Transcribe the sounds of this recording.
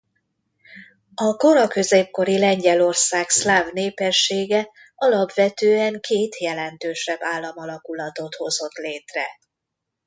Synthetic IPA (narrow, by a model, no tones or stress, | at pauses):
ɒko̞ɾɒkø̞zeːp̚ko̞ɾilɛɲɟɛlo̞rsaːkslaːvneːpɛʃːeːɡɛ | ɒlɒpʋɛt̪øːɛŋkʰeːt̪jɛlɛnt̪øːʃɛbːaːlːɒmɒlɒkulɒt̪o̞t̪ho̞zo̞t̪leːt̪rɛ